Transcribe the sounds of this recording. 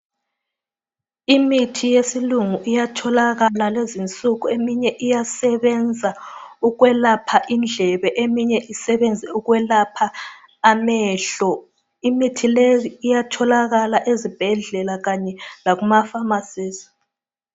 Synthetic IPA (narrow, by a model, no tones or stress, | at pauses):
imitʰijesiluŋuʔijatʰɔlaɣalalezint͡sʼuɣuemiɲɛʔijasɛβɛnd͡zʱauɣwɛlapʰaʔind͡ɮʱɛβɛʔemiɲɛʔisɛβɛnd͡zʱɛuɣwɛlapʰaː | mɛːɬɔ | imitʰileiijatʰɔlaɣalaʔezib̥ʱɛɮɛlaɣaɲɛlaɣumafamasiːsi̥